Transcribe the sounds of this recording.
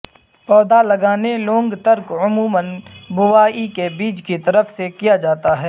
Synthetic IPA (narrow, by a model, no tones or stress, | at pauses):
pɔːd̪alɐɡaːnelõːŋɡt̪əɾkʊmuːmənbʊʋaːikebiːd͡ʒkit̪ɐɾəfsekijad͡ʒaːt̪aɦɛː